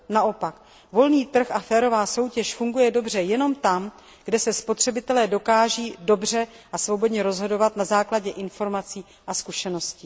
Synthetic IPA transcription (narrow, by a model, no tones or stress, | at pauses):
naʔo̞pak | vo̞lniːt̪r̩xafɛːɾo̞vaːso̞wcɛʃfuŋɡujɛdo̞br̝ɛjɛno̞mt̪am | ɡdɛsɛspo̞t̪r̝̥ɛbɪt̪ɛlɛːdo̞kaːʒiːdo̞br̝ɛ | ʔasvo̞bo̞dɲɛɾo̞zɦo̞do̞vat̪nazaːklaɟɛʔɪnfo̞ɾmat͡siː | ʔaskuʃɛno̞sciː